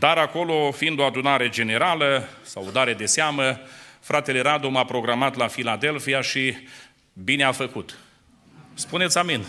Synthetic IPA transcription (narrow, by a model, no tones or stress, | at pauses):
d̪̥aɾako̞lo̞fiind̪o̞ad̪unaɾe̞d͡ʒe̞ne̞ɾaləsa̰wod̪aɾe̞d̪e̞seaməfɾʔat̪e̞le̞ɾad̪omapɾo̞ɡɾamat̪lafilad̪e̞lfiaʃi | bineafəkut̪ | spunet̪sʲamin